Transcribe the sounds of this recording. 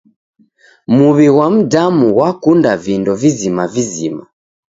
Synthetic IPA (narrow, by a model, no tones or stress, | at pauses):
muβiwam̩damuwakundavindɔvizimavizḭma̰